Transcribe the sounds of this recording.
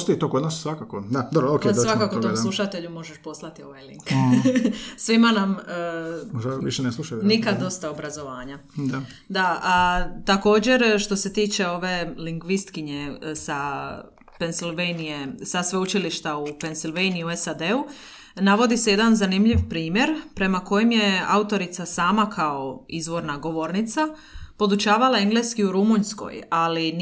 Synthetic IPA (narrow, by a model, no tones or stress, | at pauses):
ost̪ojit̪okod̪naːssʋakakod̪ad̪obɾookesakakouomlˠuʃat̪e̞ʎumo̞ʒeʃpo̞slˠat̪io̞̰ʋajliŋk | sʋimanamː | moʒaʋḭʃeneslˠuʃajnikad̪d̪o̞st̪aobɾazo̞ʋaːɲad̪a | d̪aat̪ako̞ːd͡ʑe̞ɾʃt̪o̞se̞t̪iːt͡ʃe̞o̞ʋe̞liŋɡʋist̪kiɲe̞sa | pe̞nsilʋejnijesasʋeut͡ʃiliʃt̪aupe̞nsilʋejniiuesad̪e̞u | naʋo̞d̪iseje̞d̪anzanimʎiʋpɾiːmje̞ɾpɾe̞mako̞jemje̞a̰ut̪o̞ɾit̪sasaːmakʰao̞izʋo̞ɾnaɡo̞ʋo̞ɾnit̪sa | po̞d̪ut͡ʃaːʋalae̞ŋɡleskiuɾumunsko̰jalin